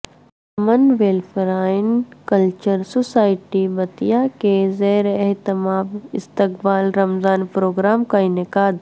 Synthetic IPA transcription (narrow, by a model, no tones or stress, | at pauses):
ɐmənʋeːlpəɾaːɪnkɐlt͡ʃəɾsosaːɪʈibɐt̪ijakezeːɾɛɦt̪ɪmaːbɪst̪ɪkbaːlɾɐmzaːnpɾoːɡɾaːmkaɪnɪkaːd̪